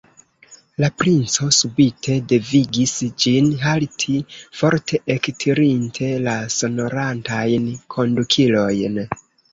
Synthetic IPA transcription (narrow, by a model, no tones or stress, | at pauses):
lapɾint͡so̞subitʰe̞de̞viɡisd͡ʒinɦaltʰifo̞ɾtʰe̞ʔektʰiɾintʰe̞laso̞no̞ɾantajnkʰo̞ndukʰilo̞jn